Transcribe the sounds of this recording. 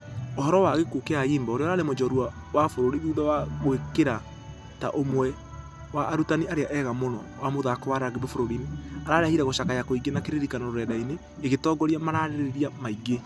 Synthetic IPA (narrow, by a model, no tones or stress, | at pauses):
oɦɔɾɔwaɣekukeaiːmbaoɾeɔɾaːɾemod͡ʒɔɾwa | wafoɾoɾiðuːðawaɣwekeɾa | ta̰ʔomwɛ | waʔːɾutaniaɾeaʔɛɣamonɔ̰wamoðakɔwaɾaaɣeðefoɾoɾineaɾaɾahiɾɛɣoʃakajakoiɡenakeɾeɾikanɔɾoɾɛdaineː | ɣetɔɡɔɾiamaɾaɾeɾɾeɾiamaiɡe